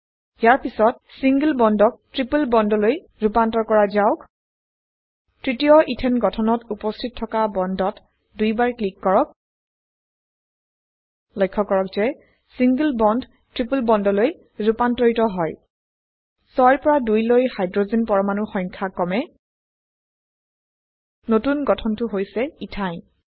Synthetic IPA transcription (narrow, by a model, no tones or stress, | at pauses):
jaɹpisɔt̚siŋɡəlbɔndɔk̚tɹipulbɔndɔloj | ɹupantɔkɔɹazaʊk | tɹitijɔʔitʰɛnɡɔtʰɔnɔtupɔstʰit̚tʰːɔkabɔndɔt | dujbaɹklikːɔɹɔk̚ | lojkʰːɔkɔɹɔk̚zɛ | siŋɡəlbɔnd | tɹipulbɔndɔloj | zupantɔɹitɔɦɔj | sɔjɹpɔɹadujlojhajdɹozenpɔɹɔmanuxɔjŋkʰakɔmɛ | notunɡɔtʰɔntʊɦojsɛitʰajn